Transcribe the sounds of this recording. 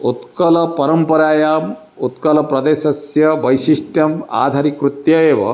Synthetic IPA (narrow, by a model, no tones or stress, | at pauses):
ut̪kɐlɐpɐɾɐmpɐɾaːjaːm | ut̪kɐlɐpɾɐd̪eːʃɐsjɐʋɐjsiʃʈjɐma̰ːd̪ʱaːɾikɾut̪jɐeːʋɐ̰